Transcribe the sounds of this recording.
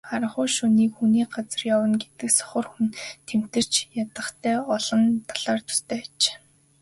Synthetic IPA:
χaɾə̆ɴχʊːʃuniːkxuniːɢat͡sə̆rjawə̆nɡet̪ɘ̆ksɔ̥χə̆rxunt̪ʰem̥t̪ɘ̆r̥t͡ɕjat̪ə̆χt̪ʰæːɔɮɞ̆nt̪ʰḁɮ̥aːrt̪ʰʊ̥st̪ʰeːt͡ɕe̥ː

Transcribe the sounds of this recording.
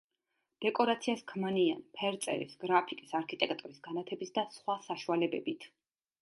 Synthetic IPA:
d̪̥ɛkʼɔɾat̪sʰiaskʰmanianpʰɛɾt̪sʼɛ̰ɾḭsɡɾapʰikʼisaɾkʰit̪ʼɛkʰʼt̪ʼuɾisɡanat̪ʰɛbisd̪asχwasaʃualɛbɛbit̪ʰ

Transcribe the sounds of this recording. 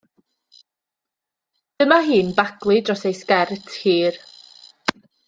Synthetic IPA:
d̥əmaɦiːnbaɡlˠidrɔsejskɛrtʰhiːr

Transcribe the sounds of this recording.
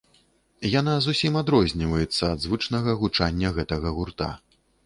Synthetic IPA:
jan̪azusʲimad̪ɾɔzʲnʲivɐjɛt̪sːɐːd̪zvɨt͡ʂnɐɣɐɣut͡ʂanʲːɐɣɛt̪ɐɣɐɣurt̪a̰

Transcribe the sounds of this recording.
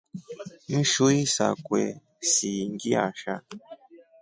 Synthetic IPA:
n̩ʃuisa̰kwɛ̰ | siŋɡia̰ʃa

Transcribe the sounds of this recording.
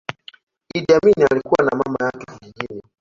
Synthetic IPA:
iɗaminialikuwanamamajakɛviiɡiɾa

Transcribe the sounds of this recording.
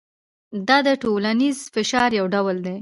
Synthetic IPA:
d̪ɑd̪əʈolanizfɪʃɑɾjawɖawəld̪e

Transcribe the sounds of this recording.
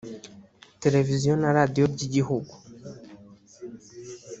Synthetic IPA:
te̞ɾe̞vizjonaɾadio̞ɾɟiɟihuɡu

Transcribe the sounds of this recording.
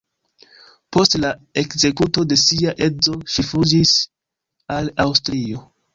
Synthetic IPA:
po̞stlae̞kze̞kuto̞de̞siaʔe̞zo̞ʃifud͡ʒis | alawstɾio̞

